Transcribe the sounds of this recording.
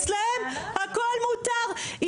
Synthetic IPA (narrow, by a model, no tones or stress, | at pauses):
sleɛmakɔlmut̪aʁi